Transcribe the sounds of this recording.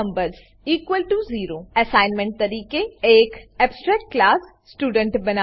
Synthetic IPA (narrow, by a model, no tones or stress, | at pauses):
mbəɾz | iːkʋəlʈuziːɾoɛsaːɪnmɛ̃ɳʈ̚t̪ɐɾiːkeeːkɛːpsʈɾɛːkːlaːs | sːʈuːɖə̃ɳʈbɐna